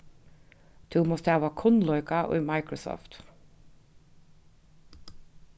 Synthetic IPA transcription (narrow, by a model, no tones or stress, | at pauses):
t̪ʰʉːmɔst̪æːʋɑkʰʊnlɔʏkɑʔo̰ːmɑɪkɹɔsɔ̰ːft̪